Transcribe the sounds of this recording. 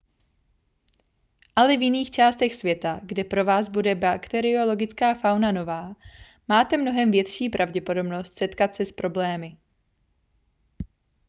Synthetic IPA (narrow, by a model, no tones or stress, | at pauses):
ʔalɛvjɪniːxt͡ʃaːst̪ɛxsvjɛt̪aɡdɛpɾo̞vaːzbudɛbakt̪ɛɾɪo̞lo̞ɡɪt͡skaːfawnano̞vaː | maːt̪ɛmno̞ɦɛmvjɛt̪ʃiːpɾʔavɟɛpo̞do̞bno̞st̪sɛt̪kat̪sɛspɾʔo̞blɛːmɪ